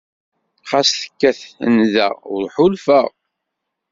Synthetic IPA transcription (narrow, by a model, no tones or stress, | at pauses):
χasθə̥kːæθənðæ̰ʁʊ̰ɾħʊlfəʁ